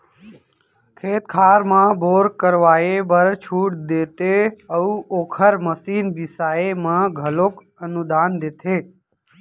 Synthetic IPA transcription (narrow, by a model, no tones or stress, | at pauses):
kʰeːt̪kʰaːɾmãbʱoːɾkəɾʋaːebəɾt͡ʃʰuːʈd̪eːt̪eəuʔoːkʰəɾməsiːnbɪsaːemãɡʱəloːk | ənud̪aːnd̪et̪ʰeː